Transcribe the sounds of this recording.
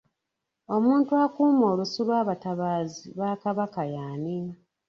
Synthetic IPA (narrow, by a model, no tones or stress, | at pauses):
omuːntuakuːmo̞ːlusulwaːβataβaːziβaːkaβakajaːnini